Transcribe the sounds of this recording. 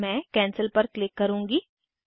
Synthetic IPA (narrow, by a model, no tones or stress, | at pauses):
mɛ̃ːkɛ̃ːnsəlpɐɾklɪkːɐɾũːŋɡiː